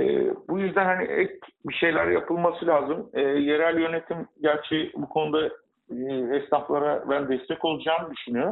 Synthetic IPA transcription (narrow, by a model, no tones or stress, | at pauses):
ɛ̰ːbujyzd̪ænhaniʔɛc̚biʃe̞jlʲæɾjapʰɯlˠmasɯlʲaːzɯmɛːje̞ɾælʲjø̞ne̞t̪ʰimɟæɾt͡ʃʰɛbukʰo̞nud̪a | ɛst̪aflˠaɾabænd̪ɛst̪ʰɛco̞lˠud͡ʒaːmɯd̪yʃynyjo